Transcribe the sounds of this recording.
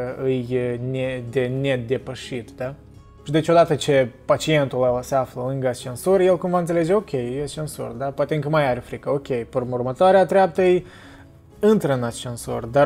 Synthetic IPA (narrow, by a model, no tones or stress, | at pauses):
ɨjnʲed̪e̞ne̞d̪e̞pəʃit̪d̪a | ʃid̪et͡ʃʲod̪at̪ət͡ʃe̞pat͡ʃie̞nt̪ulaseafləlɨŋɡəat͡ʃe̞nsorʲjelkumvant̪seled͡ʒeo̞kʲejet͡ʃenso̰rd̪apoat̪eɨŋkəmajaɾʲefɾikəokʲe̞jpurmurmət̪oaɾeat̪ɾeap̚t̪əɨj | ɨnt̪ɾəɨnat͡ʃe̞nso̰rd̪a